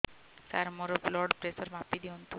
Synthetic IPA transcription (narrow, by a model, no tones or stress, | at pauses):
sa̰ɾmɔɾɔblɔɖpɾesəɾmapid̪iunt̪u